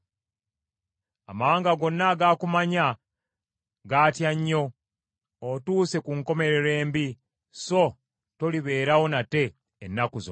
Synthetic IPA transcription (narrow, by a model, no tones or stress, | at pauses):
amaːŋɡaɡo̞nːaɡakumaɲa | ɡaːtjaɲːo̞ː | tuːse̞kuŋko̞me̞ɾe̞ɾe̞ːmbi | so̞ | to̞liβe̞ːɾawo̞nate̞ː | nːakuzo̰